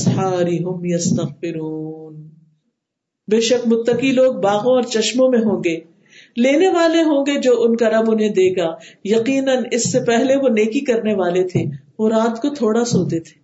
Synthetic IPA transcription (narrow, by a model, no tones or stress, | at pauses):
ɐsħaːɾiɦʊmjɐst̪ɐɣbɪɾuːn | beːʃɐkmʊt̪ːəqiloːɡ̚baːɣõɔːɾt͡ʃɐʃmõmẽɦõːɡeː | leːneʋaːleɦõːɡed͡ʒoːʔʊnkaɾɐbõnẽd̪eːɡaːjɐqiːnənɪsːepɛɦleʋoneːkikɐɾneʋaːlet̪ʰeʋoɾaːt̪kot̪ʰoːɽasoːt̪et̪ʰe̥ː